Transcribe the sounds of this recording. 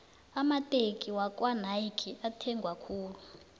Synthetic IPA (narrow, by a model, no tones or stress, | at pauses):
amatʼekʼiwakʼwan̤ajkʰiʔatʰɛŋɡʱwakʰuːlu